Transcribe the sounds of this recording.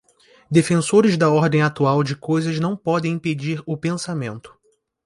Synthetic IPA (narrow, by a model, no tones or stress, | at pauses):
d̪efẽsoɾɪzd̪ɐɔɾd̪ẽj̃at̪uawd͡ʒɪkojzɐznɐ̃w̃pɔd̪ẽj̃ĩped͡ʒiɾʊpẽsamẽnt̪ʊ̥